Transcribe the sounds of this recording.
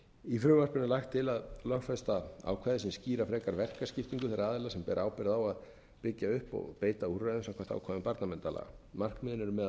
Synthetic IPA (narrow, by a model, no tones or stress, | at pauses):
ifɾʏːvar̥pʏnɪlajxt̪ʰːɪlaðlœfɛst̪aa̰wkʰvajðɪsimsciːɾafɾɛːkaɾvɛr̥kascɪft̪iŋkʏθɛɾaaːðɪlasɛmpɛːɾʔaːwpɛɾɪðawað | pɪcjaʏhpɔ̰ɣpeːjt̪aurːaðʏmsamkʰḁt̪a̰ːwkʰaːðʏmpaɾt̪namɛnt̪ala̰ɣmar̥k̪mɪːðɪnɛɾʏmːɛð